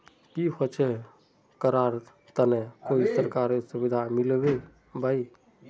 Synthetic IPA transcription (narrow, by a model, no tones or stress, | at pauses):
kiɦot͡ʃe | kəɾaɾ | t̪ənekoisəɾkaɾsubid̪ʱamilbe | bai